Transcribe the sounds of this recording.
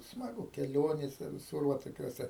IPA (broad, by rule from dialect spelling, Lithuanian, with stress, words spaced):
smɐˈɡʊ kʲɛˈlʲoːnʲeːsʲɛ ʋʲɪˈsʊr ʋɐ toːˈkʲuɔsʲɛ